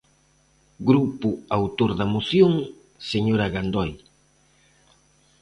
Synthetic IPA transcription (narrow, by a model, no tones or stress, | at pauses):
ɡɾupʊawt̪oɾðɐmoθjoŋ | seɲoɾaɣand̪ɔj